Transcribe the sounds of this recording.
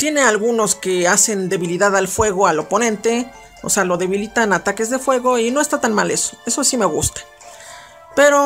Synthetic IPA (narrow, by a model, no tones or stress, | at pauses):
t̪je̞ne̞alɣuno̞ske̞ase̞nd̪e̞βiliðaðalfwe̞ɣ̞o̞alo̞po̞nẽ̞nt̪e̞ | o̰se̞alo̞ðe̞βilit̪anat̪ake̞zðe̞fwe̞ɣo̞ino̞est̪at̪anmale̞so̥e̞so̞sime̞ɣṵst̪ḁ | pe̞ɾo̞